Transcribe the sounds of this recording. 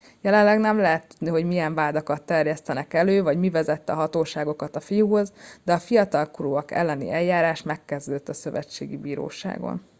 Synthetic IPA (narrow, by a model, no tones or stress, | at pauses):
jɛlɛlɛɡnɛmlɛɦɛt̪ːud̪niɦo̞ɟmijɛɱvaːd̪ɒkɒt̪ːɛrjɛst̪ɛnɛkɛløːvɒɟmivɛzɛt̪ːɛɒɦɒt̪oːʃaːɡo̞kɒt̪ɒfijuɦo̞zd̪ɛɒfijɒt̪ɒlkuɾuːɒkɛ̰lːɛnḭʔɛjjaːɾaːʃmɛkːɛzd̪øːt̪ːɒsø̞vɛ̰t͡ʃːḛːɡibiːɾo̰ːʃa̰ːɡo̰n